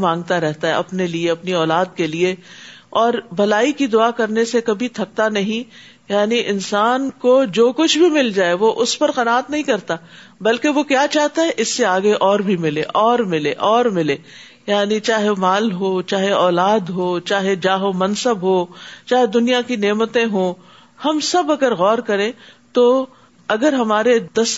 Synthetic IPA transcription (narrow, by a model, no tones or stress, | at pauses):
mãːŋɡ̚t̪aɾɛɦt̪aɦɛ̰ɐpnelieɐpniɔːlaːd̪̚kelieɔːɾbɐlaːikid̪ʊakɐɾnesekɐbʱit̪ʰɐk̚t̪anɐɦĩ | jaːniʔɪnsaːnkod͡ʒoːkʊt͡ʃʰbʱimɪld͡ʒaːeʋoʔʊspɐɾqɐnaːt̪nɐɦĩkɐɾt̪a | bɐlkeʋokjaːt͡ʃaːɦt̪aɦɛʔɪsːeaːɡeʔɔːɾbʱimɪleʔɔːɾmɪleʔɔːɾmɪleː | jaːnit͡ʃaːɦemaːlɦot͡ʃaːɦeɔːlaːd̪ɦoːt͡ʃaːɦed͡ʒaːɦomɐ̃nsəbɦoːt͡ʃaːɦed̪ʊnijakineːmət̪ẽɦõ | hɐmsɐbɐɡəɾɣɔːɾkɐɾẽːt̪o | ɐɡəɾɦɐmaːɾed̪ɐs